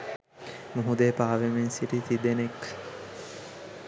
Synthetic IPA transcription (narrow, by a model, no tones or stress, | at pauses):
muɦud̪eːpaːʋemensiɾit̪id̪enek